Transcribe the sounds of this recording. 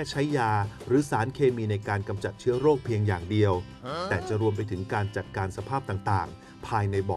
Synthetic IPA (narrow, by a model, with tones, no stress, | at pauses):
ɛː˥˩t͡ɕʰa˦˥jːaː˧ɾɯː˩˦saː˩˦nkʰeː˧miː˧na˧jkaː˧nka˧mt͡ɕa˨˩t̪̚t͡ɕʰɯ˦˥ɐɾoː˥˩k̚pʰi˧əŋjaː˨˩ŋdi˧əw | t̪ɛː˨˩t͡ɕa˨˩ʔɾu˧əmp̬a˧jt̪ʰɯ˩˦ŋkaː˧nt͡ɕa˨˩t̪̚kaː˧nsa˧pʰaː˥˩p̚t̪aː˨˩ŋt̪aː˨˩ŋ | pʰaː˧jna˧jbɔː˨˩